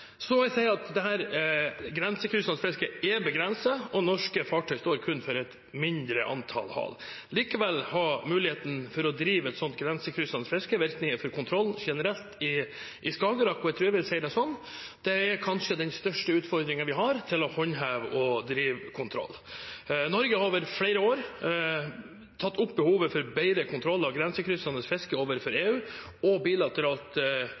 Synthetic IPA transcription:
sɔmmɔæɪsæɪɑt̪d̪ɛɦæːɾɡɾɛnsəkʰɾʏsɑnflɛskəɛbəɡɾɛnsəɔnɔʂkəfɑːʈʰœʏst̪oːɾkʰʉnːfɔɾɛt̪ | mɪnd̪ɾəʔɑ̰nt̪ʰɑ̰lhɑ̰ːl | liːkəʋɛlːhɑmʉːlɪheːt̪n̩fɔɾɔd̪ɾiːʋɛt̪sɔnt̪̚ɡɾɛnsəkʰɾʏslɑnəflɛskəʋɪɾknɪŋəfɔɾkʰʊnt̪ʰɾɔlːʃɛnəɾɛlt̪ɪ | ʔɪskɑːɡəɾɑkːɔæt̪ʰɾʉːɾæʋɪlsɛɪəd̪ɛsɔnː | d̪̥ɛɛɾkʰɑnʂəd̪ɛnst̪œʂʈəʉːt̪fɔɾd̪ɾɪŋənʋɪɦɑɾt̪ʰɪlɔhɔɲɦæːʋʔɔd̪ɾiːʋkʰʊnt̪ʰɾɔ̰lːnɔɾɡəhɑɾoːʋəɾfɽeɪɾəoːɾ | t̪ʰɑt̪ːʊpːbəhuːʋəfɔɾbæɪɾəkʰʊnt̪ʰɾɔlːɑʋɡɾɛnsəkʰɾʏsɑnəsfɛskəoːʋəɾfɔɾeːʉː | ɔbiːlɑt̪əɾɑːlt̪

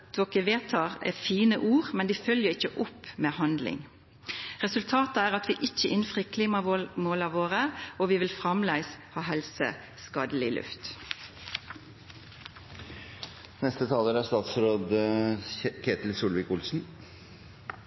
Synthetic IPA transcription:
t̪ʋokəʋeːt̪ʰɑːʁɛ̰fiːnəʔuːʁmɛnd̪iːfœljəʁɪçːəʔʊpːmeːhɑnd̪lɪ̰ŋ | ʁɛsʉlt̪ʰɑːt̪əæːʁɑt̪ʋiːʔɪçːəʔɪnfʁikʰliːmɑmoːlɑʋoːʁəoʋiːʋɪlfʁɑmlæɪshɑːɦɛlsə̰ | skɑːd̪əlɪlʉ̰ft̪ | nɛst̪ət̪ʰɑːləɾæst̪ɑːt̪sɾoːd̪ | kʰeːt̪l̩suːlʋɪkʊlsn̩

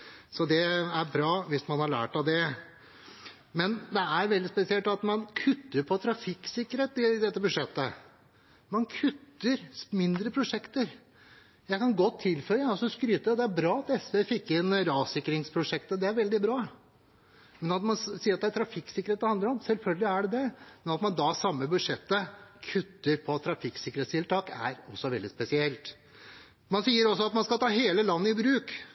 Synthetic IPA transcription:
sɔd̪ɛæɾbɾɑːʋɪsmɑnhɑɭæ̰ːʈɑʋd̪ɛ | mɛnd̪ɛæɾʋɛld̪ɪspɛsɪɛlt̪ɑt̪mɑnkʰʉt̪ːəɾpʰɔt̪ʰɾɑfɪkːsɪkːəɾheːt̪ɪd̪ɛt̪ːəbʉʂɛt̪ːə | mɑnkʰʉt̪ːəɾmɪnd̪ɾəpʰɾʊʂɛkt̪əɾ | jæɪkɑnɡɔt̪ʰːɪlfœɾəɑsɔskɾyːt̪əd̪ɛæɾbɾɑːɑt̪ɛsʋefɪkːɪnɾɑːsɪkːɾɪŋspʰɾʊʂɛkt̪əd̪ɛæɾʋɛld̪ɪbɾɑː | mɛnɑt̪mɑnsiːəɾɑt̪d̪æt̪ʰɾɑfɪkːsɪkəɾeːt̪əhɑnd̪əɾɔmsɛlfœlɡəlɪæɖɛd̪ɛmɛnɑt̪mɑnd̪ɑsɑmːəbʉd̪ʂɛt̪ːəkʰʉt̪ːəɾpʰɔt̪ʰɾɑfɪksɪkːəɾeːt̪st̪ʰɪlt̪ʰɑːkæ̰ɾɔsːɔʋɛld̪ɪspɛsɪɛlt̪ | mɑnsiːəɾɔsːɔɑt̪mɑnskɑt̪ʰɑːɦeːləlɑnːəɪbɾʉːk

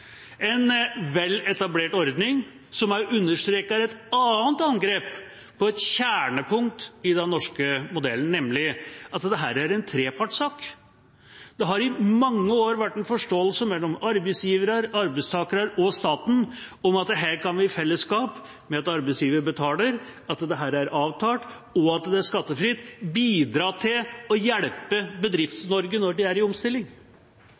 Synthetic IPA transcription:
ɛnʋɛlːɛt̪ɑbleːʈɔɾd̪nɪŋ | sɔmæʔʉnːəʂt̪ɾeːkɑɾɛt̪ɑːənt̪ɑnɡɾeːp | pʰɔɛt̪ɕæːɳəpʰʊŋkt̪ɪd̪ɛnnɔʂkəmʊd̪ɛlːən̩nɛmlɪʔɑt̪d̪ɛɦæːɾæɾɛnt̪ʰɾeːpʰɑʈsɑːk | d̪̥ɛɦɑɾɪmɑŋːəoːɾʋæʈːɛnfɔʂʈoːəlsəmɛlːɔmɑɾbɛɪsjiːʋəɾəɾɑɾbɛɪst̪ʰɑːkəɾəɾɔst̪ɑːt̪n̩ɔmɑt̪̚d̪ɛɦæːɾkɑnʋɪfɛlːəskɑːp | mɛɑt̪ɑɾbɛɪsjiːʋəɾəbət̪ʰɑːləɾɑt̪d̪ɛɦæːɾæɾɑːʋt̪ʰɑːʈ | ɔɑt̪d̪ɛæʂkɑt̪ːəfɾɪt̪biːd̪ɾɑːʈʰɪlɔjɛɽpəbəd̪ɾɪft̪snɔɾɡənɔɖɪæɾɪɔmst̪ɪlːɪŋ

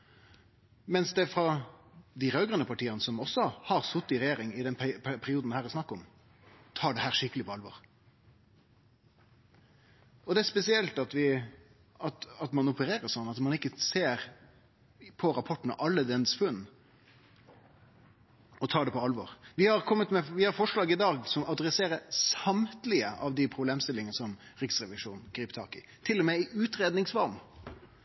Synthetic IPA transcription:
mɛnsd̪ɛfɾɑ | d̪ɪɾœːɡʁənəpʰɑʈʰiːənəsɔmɔsːɔhɑʁsʊt̪ːɪɾɛjeːɾɪŋɪd̪ɛnpʰpʰæpʰæɾɪuːd̪nd̪ɛhæːɾɛsnɑkːɔm | t̪ʰɑːɖɛhæːɾʂɪkːəlɪpʰɔɑlʋɔ̰ʁ | ɔd̪ɛæspɛsɪɛlt̪ɑt̪ʋɪ | ɑt̪ɑt̪mɑnʊpəɾeːɾəsɔnːɑt̪mɑnɪkːəseːɾ | pʰɔɾɑpʰɔʈːnə̰ʔɑlːəd̪ɛnsfʉnː | ɔt̪ʰɑːɖɛpʰɔɑlʋɔ̰ːɾʋɪhɑɾkʰɔmːət̪mɛʋɪhɑɾfɔʂlɑːɡɪd̪ɑːɡsɔmɑd̪ɾɛseːɾəsɑmt̪lɪəʔɑʋd̪ɪpʰɾʊbleːmst̪ɪlɪŋənəsɔmɾɪksʁɛʋɪʂuːnɡ̥ɾiːpt̪ʰɑ̰ːkɪ̰ | t̪ʰɪlːɔmɛɪʔʉːt̪ɾeːd̪nɪŋsʋɑɾm

